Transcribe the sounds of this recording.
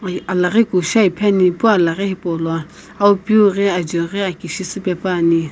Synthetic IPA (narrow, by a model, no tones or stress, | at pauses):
alaɣekuʃaipʰɛnipualaɣɛhipɔlɔ | aupjuɣɛad͡ʒɔɣɛakiʃisɨpɛpani